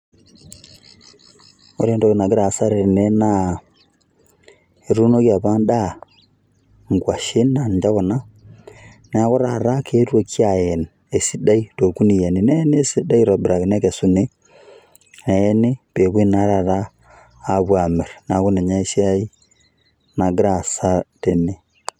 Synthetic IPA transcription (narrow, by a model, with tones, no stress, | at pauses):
o˨ɾeː˦ndo˨ɣe˨na˨ɡe˦ɾa˨sa˦ɾe˨ne˦na˨ | e˨ɾu˦no˦ɣja˨βaː˦nda˦ | ŋɡwa˨ʃe˦nːa˨ɲd͡ʒa˦ɣo˨na˦ | na˨˦ɣo˦ɾa˨ɾa˦kʰeː˦ɾwo˦kja˨je˨n | e˨si˦da˦i˦to˨ku˦ni˨je˨ne˨ne˦ne˦si˦da˦i˦ɾa˨bi˨ɾa˨ɣe˨na˦ke˨su˦ne˦ | na˨je˦ne˦pe˨βwe˦na˨˦ɾa˨ɾaː˦˨ | βwa˨me˨ɾna˨ɣu˦ne˨ɲa˦e˦ʃi˦a˦i˦ | na˨ɡɾa˨sa˦te˨ne˨